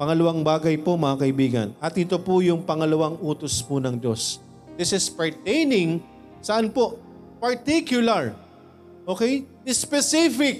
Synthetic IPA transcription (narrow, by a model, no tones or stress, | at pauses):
pɐŋɐlɐwaŋbaːɡɐjpomɐʔakɐʔɪbiːɡɐ̰nɐt̪ɪt̪o̞pʊjʊŋpɐŋɐlɐwaŋʔuːt̪ospʊnɐŋd̪o̞s | d̪ɪsɪspɐɹt̪ejnɪŋ | sɐʔanpo̞ʔ | pɐɹt̪ikjʊlɐɹ | ʔokɛj | ɪspɛsifɪk̚